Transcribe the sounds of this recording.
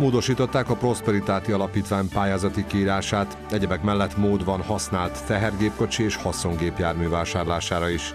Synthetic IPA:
moːd̪o̞ʃiːt̪o̞t̪ːaːkɒpro̞spɛɾit̪aːt̪iɒlɒpiːt̪ʋaːɲpaːjaːzɒt̪ikiiːɾaːʃaːt̪ | ɛɟɛbɛkmɛlːɛt̪moːd̪bɒnhɒsnaːlt̪ːɛɦɛrɡeːpko̞t͡ʃieːʃhɒso̞ŋɡeːpjaːrmyvaːʃaːrlaːʃaːɾɒiʃ

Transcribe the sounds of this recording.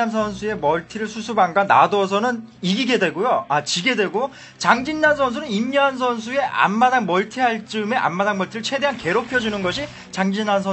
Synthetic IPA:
ans̬ʰʌnsʰue̞mʌɭtʰiɾɯɭsʰusʰubaŋɡanːa̰dʌs̬ʰʌnɯn | iɡiɡe̞dwe̞ɡojoat͡ɕiɡe̞dwe̞ɡo | t͡ɕaŋd͡ʑinːansʰʌns̬ʰunɯnimɲʌans̬ʰʌns̬ʰue̞ʔa̰nmadaŋmʌɭtʰiɦaɭt͡ɕ͈ɯme̞ʔa̰mmadaŋmʌɭtʰiɾɯɭt͡ɕʰe̞deɦanke̞ɾopʰjʌd͡ʑunɯnɡʌɕʰi | t͡ɕaŋd͡ʑinːansʰʌ

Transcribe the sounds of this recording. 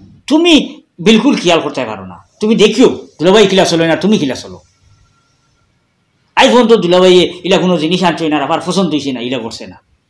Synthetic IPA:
t̪umi | bilkulkʰijalkɔɾt̪aka̰ɾo̰na̰t̪umid̪ekʰijod̪̥ulabajkilasɔlojnat̪umikilasɔlo̰ | ajpʰɔnt̪od̪ulaβajeilaɡunoziniʃantojnaɾapaɾpʰɔsɔnd̪ujsenailaɡoɾsena

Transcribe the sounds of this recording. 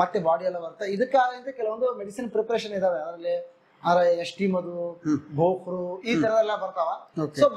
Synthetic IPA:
mɐt̪ːebaːɽiɐlːɐbɐɾt̪aid̪ɐkːeaːɾɐint̪ɐkɛlɐʋond̪umeɽisinpɾepɐɾeʃ̬ɐnid̪aːʋeɐd̪ɾɐlːi | ɐɾɐɐʂʈiːmɐd̪ubʱoːkɾuiːt̪ɐɾɛd̪ɐɛlːɐbɐɾt̪aːʋaːokso

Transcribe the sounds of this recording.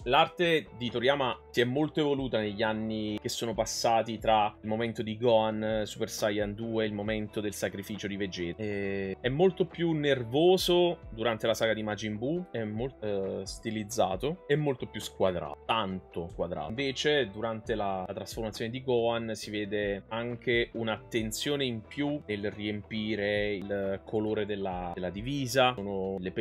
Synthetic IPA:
lart̪ed̪it̪oɾjaːmasiɛmːolt̪oevoluːt̪aneʎːianːik̟esːoːnopasːaːt̪it̪ɾailmoment̪od̪iɡɔansupersajand̪uːeilmoment̪od̪elsakɾifiːt͡ʃod̪ived͡ʒɛːɛɛmːolt̪opjunːervoːzod̪uɾant̪elasaːɡad̪imad͡ʒimbuɛmːolt̪st̪ilid̪zːaːt̪oɛmːolt̪opjuskwad̪ɾa̰ːant̪okwad̪ɾa̰ːɱveːt͡ʃed̪uɾant̪elalat̪ɾasfoɾrmat̪sjoːned̪iɡɔansiveːd̪eaŋk̟eʔunat̪ːent̪sjoːneimpjunelriempiːɾeilkʰoloːɾed̪elːaelːad̪iviːzaoːnolːep

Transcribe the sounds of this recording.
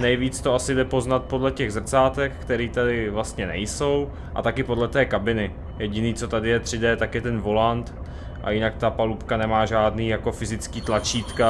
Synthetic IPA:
nɛjviːt͡st̪oasɪdɛpo̞znat̪̚po̞dlɛcɛɣzr̩t͡saːt̪ɛkkt̪ɛɾiːt̪adɪvlast̪ɲɛnɛ̰jso̞w | ʔa̰t̪akɪpo̞dlɛt̪ɛːkabɪnɪ | jɛɟɪniːt͡so̞t̪adɪjɛt̪r̥ɪdɛːt̪akjɛt̪ɛnvo̞lant̪ | ʔa̰jɪnakt̪apalupkanɛmaːʒaːdniːjako̞fɪzɪt͡skiːt̪lat͡ʃiːt̪ka

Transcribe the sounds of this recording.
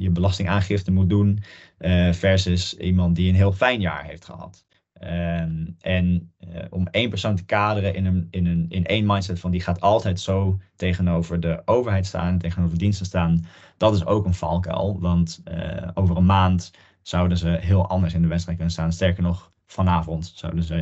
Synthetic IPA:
jəbəlɑstɪŋaːnχɪftənmut̚dun | fɛɹsɪsimɑnt̚diənɦɪːlˠfɛjnja̰ːɹɦejftχə̰ɦɑ̰t | ʔɛnɔmejnpəɹsowntə̥kaːdərəʔɪnənɪnənɪnʔejnmɑjntsɛtfɑndiχaːtɑlˠtɛjtsowtejχənowvəɹdəʔowvəɹɦɛjtsta̰ːnɛnteχənowvəɹdinstəstaːn | d̥ɑtɪso̰wkənfɑlˠkɛ̰lˠʋɑntəʔowvərənmaːnt | sʌwdənzəɦɪːlˠʔɑndəɹsɪndəʋɛtstrɛjt̚kɵnənstaːnnstɛɹkəɹnɔχ | fɑnaːvɔntsʌ̰wdəzə

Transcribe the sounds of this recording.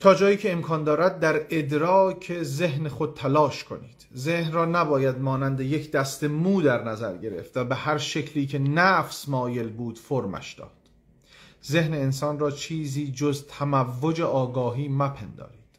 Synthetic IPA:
t̪ʰɒːd͡ʒɒːjiːcʰe̞ːmkʰɒːnd̪ɒːɾæd̪̚ːæɾe̞d̪ɾɒːcʰe̞ze̞ɦnexo̞d̪̚t̪ʰælɒːʃkʰo̞̰nḭːd̪̥zehnrɒːnæbɒːjæd̪̚mɒːnænd̪ejecʰd̪æst̪e̞muːd̪æɾnæzæɾɟe̞ɾe̞̰ft̪væbehæɾʃe̞cʰliːcʰe̞næfsmɒːje̞lbuːd̪̥foɾmæ̰ʃd̪̥ɒ̰ːd̪̥ | ze̞hne̞ːnsɒːnrɒːt͡ʃʰiːziːd͡ʒozt̪ʰæmævːod͡ʒe̞ʔɒːɡɒːɦiːmæpʰend̪ɒ̰ːɾiːd̪̥

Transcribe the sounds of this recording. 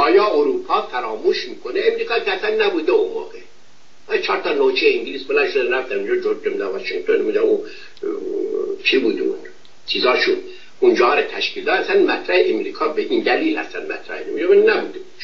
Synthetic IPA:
ɑːjɒːoɾuːpʰɑːfæɾɑːmuːʃmiːkʰoneemɾiːkʰɑːkʰʲeæsænːæbuːd̪eonvɑ̰ːɣe | ɑːjt͡ʃʰɒːɾt̪ʰɒːnot͡ʃʰejeiŋɟiliːsbelænʃod̪eɾæfd̪æmind͡ʒɑd͡ʒoɾɡemd̪æʋɑʃiŋɡt̪ʰonmud̪æu | t͡ʃʰibuːd̪ṵn | t͡ʃʰiːzɒːʃun | und͡ʒɒːɾet̪ʰæʃkiːld̪ɑːæsænmæt̪ʰɾæheʔemɾiːkʰɑːbeʔiːnd̪æliːlhæ̰st̪ænmæ̰t̪ɾæ̰henemd͡ʒɑbennæbṵːd̪e

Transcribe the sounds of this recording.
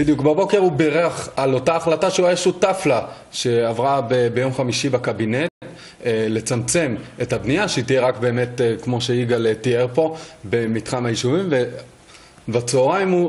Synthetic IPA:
bid̪jukbabo̞ke̞ʁubeʁeaχalo̞taːχlataʃeuajaʃutafla | ʃe̞avʁabebejo̞mχamiʃibakabine̞t | le̞t͡samt͡se̞methabnijaʃeitijeʁakbe̞ːme̞tkmo̞ʃeiɡaltieʁpo̞be̞mitχamajiʃuvimve | bat͡sooʁaimu

